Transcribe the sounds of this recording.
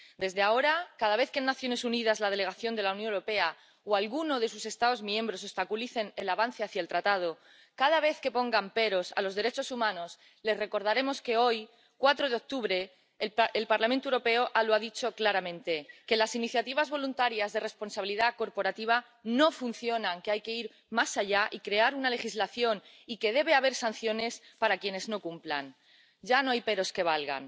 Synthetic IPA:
d̪e̞zðeao̞ɾakaðaβ̞e̞θkenːaθjo̞ne̞sunið̞azlað̞ele̞ɣ̞aθjo̞nd̪e̞lawnjõneɾo̞pe̞a | oalɣuno̞ð̞e̞suse̞st̪aðo̞zmjẽ̞mbɾo̞s̬o̞st̪akuliθe̞nelaβan̟θeaθjaelt̪ɾat̪að̞o̞ | kað̞aβ̞e̞θke̞po̞ŋɡampe̞ɾo̞sa̰lo̞zðe̞ɾe̞t͡ʃo̞sumãno̞s | le̞sre̞ko̞ɾðaɾe̞mo̞ske̞o̞j | kwat̪ɾoð̞eo̞k̚t̪uβɾe̞ | elpaɾlamẽnt̪oewɾope̞oʔaloaðit͡ʃo̞klaɾamẽ̞nt̪e̞ke̞lasiniθjat̪iβazβo̞lunt̪aɾjazðe̞re̞spo̞nsaβiliðako̞ɾpo̞ɾat̪iβ̞a | no̞fun̟θjo̞naŋkeajke̞iɾ | masaʝaʔikɾe̞aɾunale̞xizlaθjo̞n | ike̞ðe̞β̞eaβ̞e̞ɾsan̟θjo̞ne̞s | paɾakje̞ne̞zno̞kumpla̰n | ɟ͡ʝanoajpe̞ɾo̞ske̞β̞alɣa̰n

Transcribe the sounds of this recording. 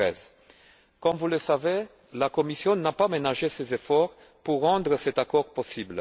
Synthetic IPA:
ɛz | kɔmvuləsave | lakɔmisjɔ̃napamenaʒesezefɔʁ | puʁːɑ̃d̪ʁəsɛt̪akɔʁpɔsibl

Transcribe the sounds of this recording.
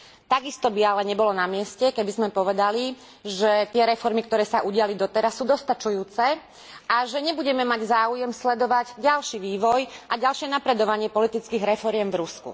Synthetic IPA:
t̪aɡist̪ɔbialɛɲɛbɔlɔnamɪɛscɛkɛbizmɛpɔʋɛd̪ali | ʒɛt̪ɪɛɾɛfɔɾmikt̪ɔɾɛːsaʔuɟɪalid̪ɔt̪ɛɾasːuːd̪ɔst̪at͡ʃujuːt͡sɛ | aʒɛɲɛbuɟɛmɛmaɟzaːujɛmslɛd̪ɔʋaɟɟalʃiʋiːʋɔjʔaɟalʃɪɛnapɾɛd̪ɔʋaɲɪɛpɔlit̪it͡skiːɣɾɛfɔɾɪɛmvɾuskṵ

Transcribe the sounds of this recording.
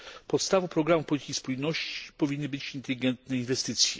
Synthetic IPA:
pɔt̪st̪avɔpɾɔɡɾamufpɔlʲit̪ikʲispujnɔɕt͡ɕi̥pɔvʲinːɘbɘt͡ɕint̪ɛlʲiɡɛnt̪nɛinvɛst̪ɘt̪sʲjɛ̰

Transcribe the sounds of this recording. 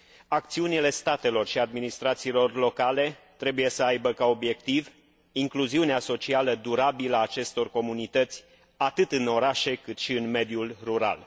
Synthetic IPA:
ak̚t̪siunile̞st̪at̪e̞lo̞rʃiad̪minist̪ɾat̪siːlo̞rlo̞kale̞t̪ɾe̞buje̞səajbəkao̞bje̞k̚t̪iv | iŋkluziuneaso̞t͡ʃialəd̪uɾabiləaːt͡ʃe̞st̪o̞rko̞munit̪ət̪sʲ | at̪ɨt̪ɨno̞ɾaʃe̞kɨt̪ʃiɨnme̞d̪julruɾa̰l

